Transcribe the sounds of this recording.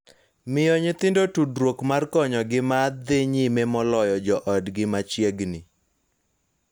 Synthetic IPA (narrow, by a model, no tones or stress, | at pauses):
mɪjɔɲɪt̪ɪndotudɾwokmarkɔɲɔɡɪmad̪ɪɲimemɔlɔjɔd͡ʒɔʔɔdɡɪmat͡ʃjeɡnɪ